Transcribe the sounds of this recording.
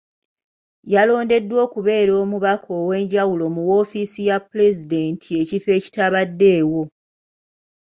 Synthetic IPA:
jalo̞ːnde̞dːwo̞ːkuβe̞ːɾo̞ːmuβakʰo̞ːwe̞ːɲɟawulo̞muwo̞ːfisijapːule̞zide̞ːntʰie̞cife̞ːci̥taβadːe̞ːwo̞

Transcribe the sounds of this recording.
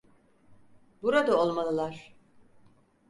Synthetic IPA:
buɾad̪ao̞lˠmalˠɯlˠaɾ̥

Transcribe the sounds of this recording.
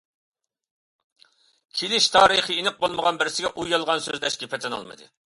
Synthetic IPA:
kʲʰelɪʃt̪ʰɑːɾɨχəinɨq̚bolˠməʁɑnbɪɾɪsɪɡʲɛʔujːɑlˠʁɑnsøzd̪ɛʃɡʲepʰɛt̪ʰɛnɑ̰lˠmɨ̰d̪ɨ̰

